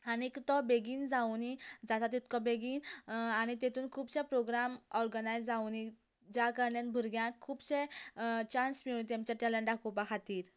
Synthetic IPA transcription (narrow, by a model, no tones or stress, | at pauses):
anikt̪ɔbeɡiːnd͡zawnid͡zat̪at̪it̪kɔ̃beɡiːnaɽ̃it̪et̪uːnkʰuːbsẽpɾoɡɾamɔɾɡənajd͡zd͡zawni | d͡ʑakəɾɳjãnbʱuɾɡjãkʰːuːbɕẽt͡ɕansmiɭunt̪̬jamt͡ɕaʈɛlə̃ɳɖakʰopakʰat̪iːɾ